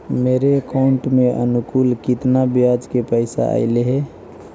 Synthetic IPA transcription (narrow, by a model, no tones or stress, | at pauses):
meːɾekaʊɳʈmeʔə̰nukuːlkɪt̪nabjad͡ʒkepəɪsa̰a̰ɪleɦɛ